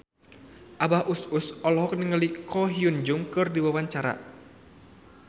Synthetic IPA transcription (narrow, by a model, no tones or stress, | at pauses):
ʔabahʔususɔlɔɦɔk̚nəŋəlikʰɔɦiund͡ʒuŋkɨrdiwawaɲt͡ʃaɾa̰